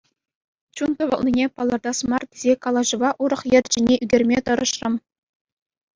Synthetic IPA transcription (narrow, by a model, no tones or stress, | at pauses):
t͡ɕunt̪ɤ̆ʋɤ̰̆lˠnʲinʲepɑlˠɑrd̪ɑsmɑrtʲezʲekɑlˠɑʑɤ̆ʋɑʔuɾɤ̆χjɘ̆rʲt͡ɕinʲeʔyɡʲerʲmʲet̪ɤ̆ɾɤ̆ʃrɤ̆m